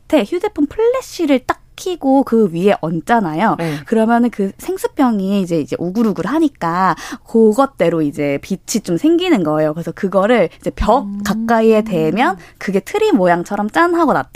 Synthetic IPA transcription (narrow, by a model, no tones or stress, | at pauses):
te̞çjudepʰonpʰɯɭːeɕ͈iɾɯɭt͈akʰiɡokɯɥie̞ʔʌnt͡ɕ͈anajokɯɾʌmjʌnɯnkɯsʰe̞ŋsʰɯ̥p͈jʌŋiːd͡ʑe̞id͡ʑe̞̰ʔuɡuɾuɡɯɾɦaɲik͈akoɡʌt̚t͈e̞ɾoid͡ʑe̞pit͡ɕʰit͡ɕ͈omsʰe̞ŋɡinɯnɡʌe̞jokɯɾesʰʌkɯɡʌɾɯɭid͡ʑe̞pjʌk̚k͈ak͈̚aie̞te̞mjʌnkɯɡe̞tʰɯɾimojaŋt͡ɕʰʌɾʌmt͡ɕ͈anɦaɡʌnat͈̚